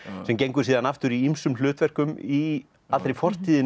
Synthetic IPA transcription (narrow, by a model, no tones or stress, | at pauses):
sɛmcejŋkʏɾ̥siːðanaft̪ʏɾiimsʏml̥ʏːt̪vɛr̥kʏmi | alt̪ɾejfɔr̥t̪iːðɪ